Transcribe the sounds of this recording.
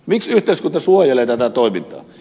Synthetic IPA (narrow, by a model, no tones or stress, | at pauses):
miksyht̪ˑeˑiskunt̪ɑsuojeleːt̪æt̪æt̪oˑimḭnt̪ˑɑ̰ː